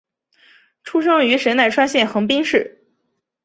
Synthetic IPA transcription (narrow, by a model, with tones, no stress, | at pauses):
ʈ͡ʂʰu˥ʂɤ˥ŋy˧˥ʂə˧˥na˥˩ɪʈ͡ʂʰwa˥nɕjɛ˥˩nxɤ˧˥ŋpi˥ŋʂɻ̩˥˩